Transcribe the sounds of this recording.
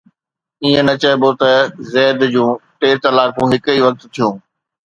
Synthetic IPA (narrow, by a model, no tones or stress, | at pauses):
iːẽnɐt͡ɕɐebot̪ɐzɛːd̪d͡ʑũːʈeːɾt̪ɐlaːɾfũɦɪkiːʋɐk̚t̪t̪ʰijũː